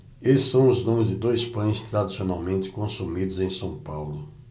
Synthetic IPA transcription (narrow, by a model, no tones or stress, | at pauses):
eɪsɐ̃w̃ʊznũmɪɾʊzd͡ʒɪd̪ojspɐ̃j̃st̪ɾad̪isionawmẽnt̪ɪ̥kõsumid̪ʊzẽj̃sɐ̃w̃pawlʊ